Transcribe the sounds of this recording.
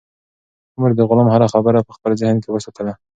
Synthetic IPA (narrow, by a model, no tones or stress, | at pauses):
ʊməɾd̪əɣʊlɑmhaɾaxabəɾapəxpəlzɪhənkewəsat̪ʰəla